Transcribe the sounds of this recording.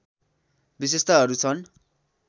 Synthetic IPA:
bis̬est̪ʌɦʌɾut͡sʰʌn

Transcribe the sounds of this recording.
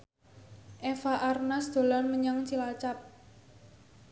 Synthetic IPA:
ʔefaʔarnasd̪̥o̤lanməɲaŋt͡ʃilat͡ʃap̚

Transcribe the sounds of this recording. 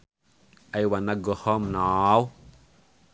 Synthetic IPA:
ajwanaɡɔhɔmnaw

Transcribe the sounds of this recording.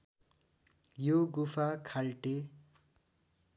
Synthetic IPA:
joɡupʰakʰalʈe

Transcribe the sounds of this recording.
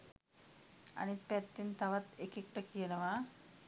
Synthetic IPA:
a̰nit̪̚pɛt̪ːint̪aʋat̪ekik̚ʈakijenəʋa

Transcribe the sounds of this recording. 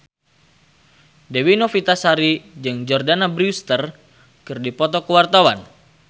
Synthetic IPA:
dɛwinɔfit̪asaɾid͡ʒɨŋd͡ʒɔrdanabɾust̪ər | kɨrdipɔt̪ɔkəwart̪awan

